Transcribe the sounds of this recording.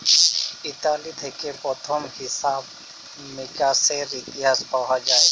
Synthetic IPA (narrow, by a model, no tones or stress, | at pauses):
ɪt̪aːlid̪ʰʱekepɾɔt̪ʰɔmhɪsaːb | mẽkaseɾɪt̪ɪɦaːspaɦad͡ʒaːe